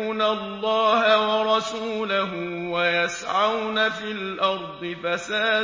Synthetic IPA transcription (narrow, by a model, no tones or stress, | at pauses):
nalːɑːhawɑɾˤɑsuːlaɦʊwajasʕawnafiːlʔɑɾˤd̪ˤɨfasaː